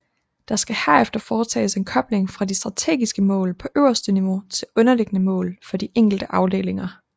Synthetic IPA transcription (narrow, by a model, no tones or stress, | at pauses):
d̥ɑ̈sɡ̥æhæɐ̰efd̥ɐfɒːt͡sʰɛ̰ːse̝nkʰɒ̽b̥le̝ŋfʁɑ̈disd̥ʁɑ̈t͡sʰe̝̰ːɡ̥isɡ̥əmɔ̰̽ːlpʰɒ̽ʔøʊɐsd̥əniʋo̝t͡sʰe̝lɔ̽nɐle̝ɡ̥ənəmɔ̰̽ːlfɒ̽d̥iʔeŋ̰ɡ̥l̩d̥əʔɑ̈ʊd̥e̝̰ːle̝ŋɐ